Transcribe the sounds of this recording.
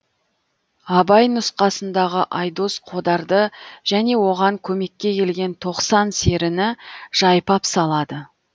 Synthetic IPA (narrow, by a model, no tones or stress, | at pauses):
ɑbɑjnʊsqɑsənd̪ɑʁəʔɑjd̪o̞sqʰo̞d̪ɑɾd̪əʒ̥æne̞wo̞ʁɑŋkʲʰɵme̞kʲːe̞kʲʰe̞lɡʲe̞nt̪ʰo̞qsɑnse̞ɾɪnɪʒ̥ɑjpɑpsɑlˠɑd̪ə